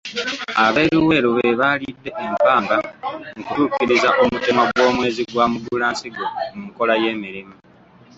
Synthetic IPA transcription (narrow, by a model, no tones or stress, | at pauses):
aβe̞ːɾuwe̞ːɾuβe̞βalidːe̞ʔempaːŋɡaŋukutukiɾizaʔomutemwaɡwo̞ːmwe̞ːziɡwaːmuɡulaːnsiɡo̞muko̞laje̞ːmiɾimu